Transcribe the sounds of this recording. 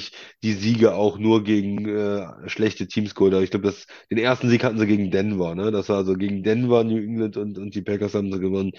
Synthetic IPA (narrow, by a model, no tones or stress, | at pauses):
ɪçd̥iːziːɡəʔaʊxnuːɐɡeːɡŋ̩ʔɛːʃlɛçtətʰiːmsɡ̥oːldəʔaːɐɪçɡ̥laʊbədas | d̥eːnʔeːɐstn̩ziːkhatn̩ziɡeːɡŋ̩dɛnvɐɐnədasv̥aːɐzoɡeːɡŋ̩dɛnvɐnjuːʔɪŋləntʊntʊnt̚d̥iːpʰɛkɐshaːbm̩ziɡəvɔnən